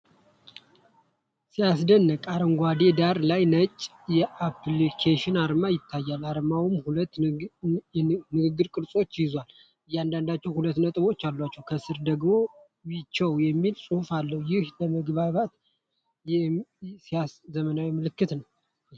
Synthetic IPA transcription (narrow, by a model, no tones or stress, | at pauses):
sijasd̪ənːəkʼaɾəŋɡʷad̪ed̪aɾlajnət͡ʃʼ | jɛʔaplikʰaʃɪnaɾmajɪt̪ʰːajːalaɾmawɨmhulət̪ː | nɨɡɨɡːɨɾkʼɨɾsʼo̞t͡ʃːjɪzwal | ɨjːand̪and̪at͡ʃːɛwhulət̪ːnət̪ʼɨβo̞t͡ʃːalːwat͡ʃːɛwkʰəsɨɾd̪əɡmo̞ | wit͡ʃːɛwjɛmːilsʼuhufalːəwjɪhbəməɡβaβat̪ | sijaszəmənawɛmːɨlɨkːɨt̪nəw